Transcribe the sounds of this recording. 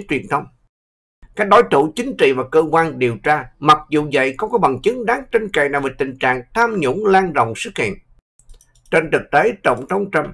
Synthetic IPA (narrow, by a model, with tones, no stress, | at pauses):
t͡ɕwi˨˩ənt̪ʰə˧wŋ͡m | kaː˦˥k̚ɗo˨˦jt̪ṵ˧˩t͡ɕï˨˦ŋ̟t͡ɕḭ˧˨vaː˨˩kəː˧kwaː˧nɗi˨˩əwt͡ɕaː˧ma˨˩k̚zu˨˩zə̰˧˨jxɔ˧˦ŋ͡mkɔ˨˦ɓa˨˩ŋt͡ɕɨ˨˦ŋɗaː˨˦ŋt͡ɕe˧nka̰ː˧˨˩jnaː˨˩wvə˨˩t̪ï˨˩ŋ̟t͡ɕa̰ː˧˨ŋt̪ʰaː˧mɲṵ˧˥ŋ͡mlaː˧nzo̰˧˨wŋ͡msɨ˦˥k̚hḭ˧˨ən | t͡ɕe˧nt̪ʰɨ˨˩k̚t̪e˨˦t̪ə˧˩wŋ͡mt̪ʰə˨˧˦wŋ͡mt͡ɕa˧m